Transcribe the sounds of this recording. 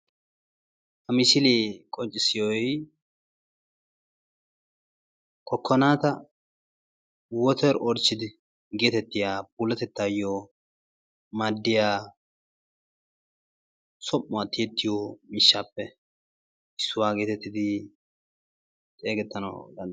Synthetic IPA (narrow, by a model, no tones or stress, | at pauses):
hɐmɪsɪlikʼɔnt͡ʃʼːɪsɪjɔj | kʰɔkːɔnaːt̪ɐ | wɔt̪ɛɾɔɾt͡ʃːɪd̪ɪ | ɡeːt̪ɛt̪ːɪjaːbulɛt̪ɛt̪ːajoː | mɐd̪ːɪjaː | sɔmːʊwat̪ːɪjɛt̪ːɪjoːmɪʃːaːpːɛ | ʔɪsːʊwaːɡeːt̪ɛt̪ːɪd̪ɪ | t͡ʃʼeːɡɛt̪ːɐnɐ̰d̪ɐn